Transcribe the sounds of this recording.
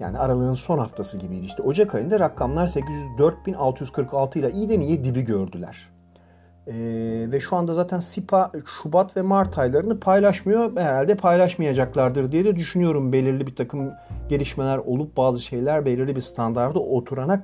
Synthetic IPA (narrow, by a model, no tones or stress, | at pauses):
ja̰ːniaɾalˠɯːɯnso̞nhaft̪ʰasɯɟibiid̪iʃt̪ʰio̞d͡ʒakʰajɯnd̪aɾakʰːamlˠaɾse̞cizjyzd̪øɾt̪̚binalˠt̪ʰɯjyz̥kʰɯɾkʰalˠt̪ʰɯilˠaʔijid̪enijɛd̪ibiɟøɾd̪ylʲæ̰ɾ̥ | ɛːvɛʃuand̪azaːt̪ʰænsipʰaʃubat̪vɛmaɾt̪ʰajlˠaɾɯnɯpʰajlˠaʃmɯjo̞bɦeɾalʲd̪ɛpʰajlˠaʃmajad͡ʒaklˠaɾd̪ɯɾd̪ijed̪ɛd̪yʃynyjo̞ɾumbe̞lʲiɾlʲibiɾt̪ʰakʰɯm | ɟe̞lʲiʃme̞lʲæɾo̞lˠup̚baːzɯʃe̞jlʲæɾbelʲiɾlʲibiɾst̪ʰand̪aɾd̪ɯʔo̞t̪ʰuɾanak